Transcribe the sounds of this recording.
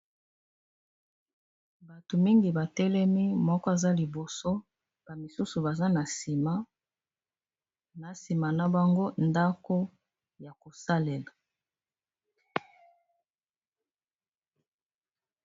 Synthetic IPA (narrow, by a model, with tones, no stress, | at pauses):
ba˨to˨mi˦ŋɡi˨ba˨tɛ˦lɛ˦mi˦mɔ˦kɔ˦e˨za˦li˨bo˨so˦ | b̥a˨mi˨su˦su˨ba˨za˦na˨si˨ma˦ | na˨si˨ma˨na˦ba˨ŋɡo˦nda˦ko˦ | ja˨ko˨sa˦lɛ˨la˨